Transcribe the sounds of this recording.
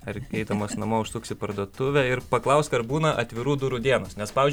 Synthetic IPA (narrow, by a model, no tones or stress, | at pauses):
ɐɾkʲɛɪt̪ɐmoːsnɐmoːʊʃst̪ʊːksʲɪpɐɾd̪uɔt̪ʊʋʲɛɪɾpɐklˠɐʊsʲt̪ʲɐɾbuːnɐʔɐ̰t̪ʲʋʲɪɾuːd̪ʊɾud̪ʲiɛnoːsnʲɛspɑːʋʲːzʲd͡ʒʲ